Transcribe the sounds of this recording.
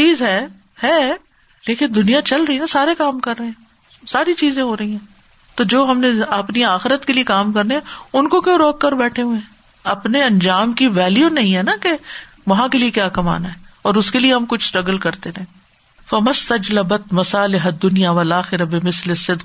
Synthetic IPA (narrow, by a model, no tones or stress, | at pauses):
t͡ʃiːzɦɛː | hɛː | leːkɪnd̪ʊnijat͡ʃɐlɾɐɦiɦɛ̃saːɾekaːmkɐɾːɐɦẽɦɛ̃ | saːɾit͡ʃiːzẽɦoːɾɐɦĩɦɛ̃ː | t̪oːd͡ʒoːɦɐmneɐpniaːxɪɾət̪keliekaːmkɐɾneɦɛ̃ʊnkokjõːɾoːkːɐɾbɛːʈʰeɦuẽ | ɐpneɐ̃nd͡ʒaːmkiʋɛːljunɐɦĩɦɛnake | ʋɐɦãkeliekjaːkɐma̰ːnaɦɛːɔːɾʊskelieɦɐmkʊt͡ʃʰsʈɾɐɡəlkɐɾt̪enɛ̃ː | fɐmɐst̪ɐd͡ʒlɐbɐt̪mɐsaːlɪɦɐd̪ːʊnijaʋɐlaːxɪɾabɪmɪslɪsːɪd̪